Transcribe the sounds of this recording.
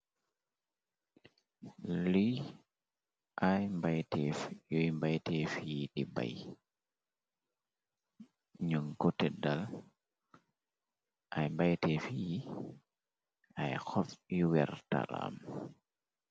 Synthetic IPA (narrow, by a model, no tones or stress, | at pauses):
lij | ʔajmbajtɛfjɔjmbajtɛfijiɗiba̰j | ɲuŋkɔtɛdal | ʔajmbajtɛfiji | ajxɔfiwɛɾta̰ɾa̰m